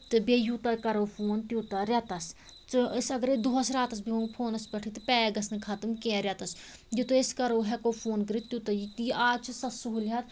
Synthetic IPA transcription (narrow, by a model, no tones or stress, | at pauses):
t̪ɨbeːjuːt̪ɐkɐɾoːpʰoːnt̪juːt̪ɐɾjat̪ɐs | t̪ɨsɐɡɐɾed̪uɦɐsɾʲaːt̪ɐs̬beopʰoːnɐspɐʈʰit̪ɨpɛːɡɐsnɨkʰaːt̪ɨmkɛ̃ːɾʲjɐt̪ɐsjit̪oeskɐɾoːɦɛkopʰoːnɡɾit̪t̪jut̪ɐjit̪ʔaːt͡ʃʰisɐsuɦuljɐt̪